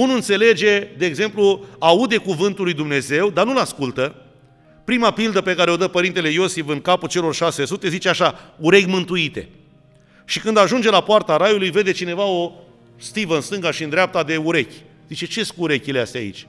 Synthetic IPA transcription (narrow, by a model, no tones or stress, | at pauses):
unuɨnt̪se̞le̞d͡ʒe̞d̪e̞ːɡze̞mpluaud̪e̞kuvɨnt̪ulːujd̪umne̞ze̞wd̪anulaskult̪ə | pɾimapild̪əpe̞kaɾeo̞d̪əpəɾint̪ele̞jo̞sifɨŋkapult͡ʃe̞lo̞rʃase̞sut̪e̞zit͡ʃeaʃauɾe̞kʲmɨnt̪uit̪e̞̰ | ʃikɨnd̪aʒund͡ʒe̞lapoart̪aɾajulujve̞d̪e̞t͡ʃine̞vao̞ | st̪ivəɨnst̪ɨŋɡaʃiɨnd̪ɾap̚t̪ad̪e̞uɾe̞kʲ | zit͡ʃe̞t͡ʃe̞skuːɾe̞kʲilea̰st̪ea̰ḭt͡ʃʲ